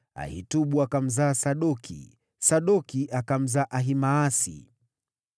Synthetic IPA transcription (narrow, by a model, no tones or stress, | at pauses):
a̰hḭtuɓuakam̩zaːsaɗɔkʰḭ | saɗɔkiʔakam̩zaːʔaɦimaːsḭ